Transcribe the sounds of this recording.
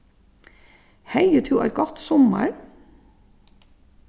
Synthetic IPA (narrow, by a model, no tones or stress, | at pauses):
hæɪət̪ʰʉːʔɑ̰lɡɔt̪sɔmə̰ɹ